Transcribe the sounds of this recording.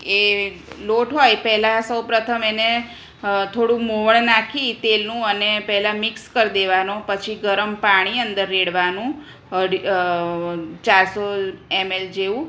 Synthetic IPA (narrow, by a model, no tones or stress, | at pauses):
e | loʈɦojpɛɦlasəwpɾət̪ʰəmene | t̪ʰoɽũmoʋəɭnakʰit̪elnũənepɛɦɛlamɪkskəɾd̪eʋanopət͡ʃʰiɡəɾəmpaɽ̃iənd̪əɾːeɽʋanũ | əɖi | t͡ʃaɾsoemeld͡ʒeʋũ